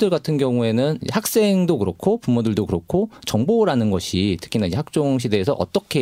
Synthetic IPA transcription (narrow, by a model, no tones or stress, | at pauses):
dɯɭɡatʰɯnɡjʌŋue̞nɯnhak̚s͈e̞ŋdokɯɾʌkʰopumodɯɭdokɯɾʌkʰot͡ɕʌŋboɾanɯnɡʌɕʰitʰɯ̥kʰinanid͡ʑeɦak̚t͡ɕ͈oŋɕ̬ʰide̞ːsʰʌʔʌ̰t͈ʌkʰe